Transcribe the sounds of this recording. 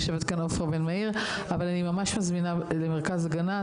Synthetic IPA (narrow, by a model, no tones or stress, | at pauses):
ʃevet̪kanofʁbenmaiʁ | avalanimamaʃmazminalemeʁkazaɡana